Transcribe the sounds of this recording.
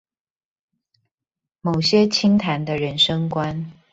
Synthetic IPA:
mo˨˩ʊɕjɛ˥t͡ɕʰi˥ŋt̪ʰa˧˥nd̪ə˧ɻə˧˦nʂɤ˥ŋkwa˦n

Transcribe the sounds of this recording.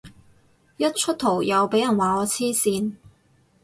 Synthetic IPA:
jɐ˥t̚t͡ʃʰɵ˥t̪ʰo˨˩wjɐ˨˧wpe˨˥jɐ˨˩nwaː˨˥ɔː˨˧t͡sʰiː˥siː˧n

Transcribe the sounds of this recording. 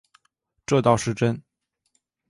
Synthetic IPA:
ʈ͡ʂɤ˥˧t̪ɑ˥˧ʊʂɻ̩˥˩ʈ͡ʂə˥n

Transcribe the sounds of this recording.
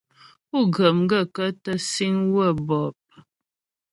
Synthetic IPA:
u˦˨ɡə˨m˦ɡə˦˨kə˦tə˦si˦ŋwə˦˨bɔ˨p̚

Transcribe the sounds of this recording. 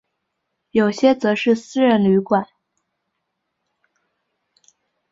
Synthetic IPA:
jo˨˩ʊɕjɛ˥t͡sɤ˧˥ʂɻ̩˥˩sɹ̩˥ɻə˧˥nly˧˥kwa˨˩˦n

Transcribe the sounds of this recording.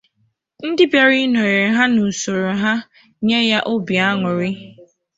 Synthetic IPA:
n̩˦dɪ˦be˨ɾi˦nɔ˨ɾe˨ɦa˦nu˨sʊ˨ɾʊ˨ɦa˦ | ɲe˦ja˦ʔʊ˦bi˨a˦ŋʷʊ˨ɾɪ˦

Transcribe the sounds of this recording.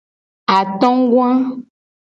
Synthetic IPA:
a˨t̪ɔ̃˦ŋ˦ɡwã˦

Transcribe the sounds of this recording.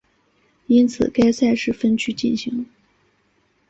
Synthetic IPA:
i˥nt͡sʰɹ̩˨˩ka˥ɪsa˥˧ɪʂɻ̩˥˩fə˥nt͡ɕʰy˥t͡ɕi˥˩nɕi˧˥ŋ

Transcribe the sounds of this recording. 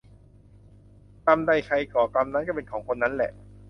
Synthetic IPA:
t̪a˧mda˧˩jkʰa˧jkɔː˨˩ka˧mna˦˥nka˥˩pe˧nkʰɔː˩˦ŋkʰo˧nːa˦˥nlɛ̰˨˩ʔ

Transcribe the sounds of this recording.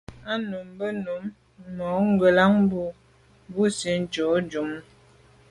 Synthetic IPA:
a˦nu˨mbə˦nu˨˦mː | ɔ˨˦ŋ˦ɡə˨la˦ŋ˦bu˦ | bu˦si˨˦n̩˦t͡ʃo˨˦d͡ʒu˨˦m˦

